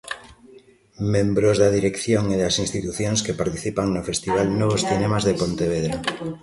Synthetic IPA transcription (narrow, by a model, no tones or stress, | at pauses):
mẽmbɾozðaðiɾekθjoŋeðasinst̪it̪uθjoŋskepaɾt̪iθipaŋnofest̪iβ̞alnoβ̞osθinemazðepont̪eβ̞eðɾa